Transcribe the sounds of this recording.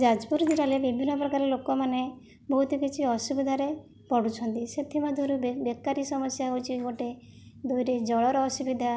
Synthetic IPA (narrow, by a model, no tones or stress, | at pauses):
d͡ʒad͡ʒpuɾd͡ʒiɾalebibʱinːɔpɾɔkaɾɔlokɔmane | bɔɦut̪ikit͡ʃʰiɔsubid̪ʱaɾe | pɔɽut͡ʃʰɔnt̪iset̪ʰimɔd̪ʱuɾubekːaɾisɔmɔsjaɦot͡ʃʰiɡɔʈe | d̪ojɾed͡ʒɔɭɔɾɔɔsubid̪ʱa